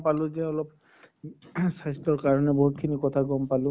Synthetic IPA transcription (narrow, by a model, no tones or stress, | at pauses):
palʊ̃zɛɔlɔp̚ | sajstɔɹkaɹɔnɛboɦut̚kʰinikɔtʰaɡɔmpalʊ̃